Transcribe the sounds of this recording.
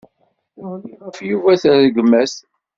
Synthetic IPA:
ʊliʁəfjuvæθðəɡəmːæs

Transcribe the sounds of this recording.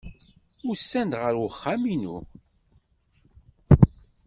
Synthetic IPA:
ʊɾsːænd̪ʁəɾwχːaminṵ

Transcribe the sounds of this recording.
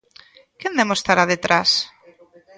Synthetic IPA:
kend̪emost̪aɾaðet̪ɾas

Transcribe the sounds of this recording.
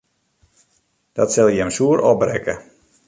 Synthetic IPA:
d̥ɔtsɛlˠjɛmsuəɾʔɔb̚rɛ̰kə

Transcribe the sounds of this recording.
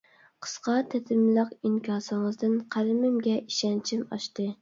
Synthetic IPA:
qʰə̥sqɑt̪ʰɛt̪ʰɪmlˠəqiŋkʲʰɑsɨŋəzd̪ɨnqʰæɾmɪmɡʲɛʔiʃɛnt͡ʃʰimɑ̰ʃt̪ɨ

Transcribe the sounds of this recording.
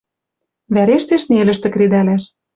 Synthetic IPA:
βæɾeʃt̪eʃnelʲɘ̆ʃt̪ɘ̆kɾid̪ælæʃ

